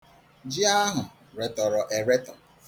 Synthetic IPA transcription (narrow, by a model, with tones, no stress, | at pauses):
d͡ʒi˦a˦ɦʊ˨ | ɾe˨tɔ˨ɾɔ˨ʔe˨ɾe˦tɔ˨